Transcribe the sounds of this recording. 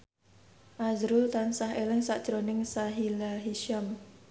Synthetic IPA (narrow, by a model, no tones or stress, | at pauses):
ʔazɾʊlt̪ansaɦelɪŋsaʔd̥ʒ̥ɾonɪŋsaɦilaɦiʃam